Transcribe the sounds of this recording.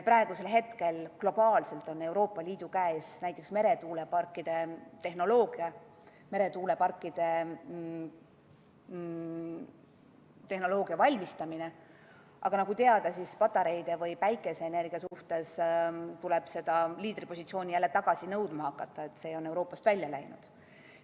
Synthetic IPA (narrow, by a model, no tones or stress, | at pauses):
pɾɑeɡ̥use̞lɦe̞t̪ke̞lklo̞b̥ɑːlse̞lt̪ˑo̞ne̞wɾo̞ːpˑːɑliːd̪̥ukæesnæjt̪ːˑe̞ksme̞ɾe̞t̪uːle̞pɑrkːˑid̪̥e̞t̪e̞hno̞lo̞ːɡ̥iɑ | me̞ɾe̞t̪uːle̞pɑrkˑːid̪̥e̞ | t̪e̞hno̞lo̞ːɡ̥iɑvɑlʲmist̪ɑmine | ʔɑ̰ɡ̥ɑnɑɡut̪eɑd̪ɑsispɑt̪ːˑɑɾe̞jd̪̥e̞vɤjpæjkːˑe̞se̞ːne̞rɡ̥iɑsuht̪e̞st̪ule̞b̥se̞d̪̥ɑliːd̪̥ripo̞sʲit̪sio̞ːnʲijælːet̪ɑɡ̥ɑsinɤwd̪̥mɑhɑkːɑt̪ːˑɑe̞t̪se̞ːo̞ne̞wɾo̞ːpːˑɑst̪vælʲjɑlæ̰jnṵd̪̥